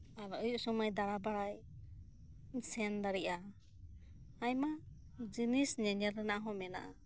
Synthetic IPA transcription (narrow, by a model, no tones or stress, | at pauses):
aɾɔʔɔjuʔsɔmajd̪aɾabaɽaj | sɛnd̪aɾiʔa | ajma | d͡ʒinisɲɛɲaɾɛnaʔɦɔ̃mɛna̰ʔa